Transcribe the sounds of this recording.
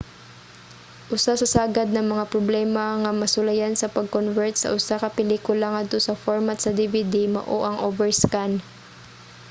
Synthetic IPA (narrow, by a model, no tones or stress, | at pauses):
ʔʊsasɐsaːɡɐd̪̚nɐŋmɐŋapɾoblɛːmɐŋɐmɐsʊlɐjansɐpɐɡ̚konvɛɹt̪̚sɐ̰ʔʊsakɐpɪliːkʊlɐŋad̪̚t̪osɐfoɹmat̪sɐd̪ivid̪imɐ̰ʔoʔɐŋʔovɛɹskan